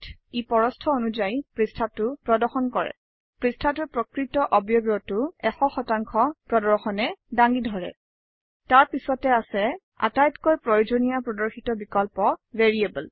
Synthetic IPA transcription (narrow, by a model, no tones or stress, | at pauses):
tipɔɹɔstʰɔonuzajpɹistʰatʊpɹɔdɔɹxɔnkɔɹɛ̰ | pɹistʰatʊpɹɔkɹitɔʔɔbjobɔtʊɛxɔxɔtaŋkʰɔpɹɔdɔɹxɔnɛdaŋɡidʱɔɹɛ̰ | taɹpisɔtɛasɛ | a̰tajtkojpɹɔjod͡ʒonijapɹɔdɔɹxitɔbikɔlpɔveɹiebul